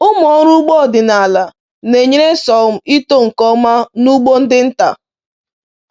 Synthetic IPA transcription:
ʊ˦mɔ˨˦ɾu˦ɡ͡bo˦˨dɪ˨na˨a˨la˨ | ne˨ɲe˦ɾe˦sɔ˨m̩˦i˦to˦˨ŋ̩˨kɔ˦ma˦nu˦ɡ͡bo˦n̩˦dɪ˦n̩˦ta̰˨

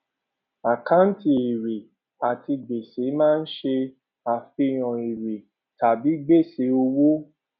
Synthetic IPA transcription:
a˨ka˦n̩˦ti˨e˨ɾe˨ | a˨ti˧ɡ͡be˨se˨˦mãː˦˧n̩˦ʃe˧ | a˨fi˧˨j̃ɔ̃˨e˨ɾe˨ | ta˨bi˨˦ɡ͡be˦˨se˨˦o˧wu˦

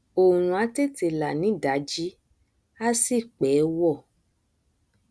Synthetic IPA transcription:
o˨ɾ̃ũ˨a˨˦te˦˨te˨la˨nĩ˨˦da˨˦d͡ʒi˦ | a˦si˦˨k͡pɛː˨˦wɔ˦˨

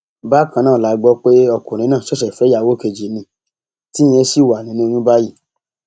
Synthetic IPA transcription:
ba˦kã˧nãː˦˨la˨˦ɡ͡bɔ˧˦k͡pe˦ɔ˧kũ˨ɾ̃ĩ˧˦nãː˦˨ɔ˦ʃɛ˨fɛ˨˦ja˦˨wo˦ke˧d͡ʒi˨˦nĩ˧˦ | tĩ˦e˧˦si˦˨wa˨nĩ˨˦nũ˦˧j̃ĩ˦ba˦ji˦˨

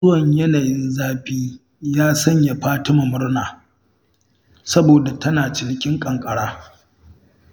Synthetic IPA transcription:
ʊ˦wɐ˨ɲjɐ˦naː˨jɪ˦nzaː˦ɸiː˦ | jaː˦sɐ˦ɲja˨ɸaː˦tɪ˦ma˨mʊ˦rɽnaː˨ | sɐ˦boː˨da˨tʰɐ˦naː˨t͡ʃɪ˦ɽkʲʼɪ˦ŋkʼɐ˨ŋkʼɐ˨ɽaː˦

